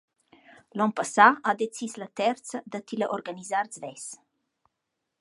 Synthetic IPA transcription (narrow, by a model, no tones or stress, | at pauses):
lɔnpasaad̪et͡sislət̪ɛɾt̪t͡səd̪ət̪iləʔoɾɡanizaɾt͡svɛs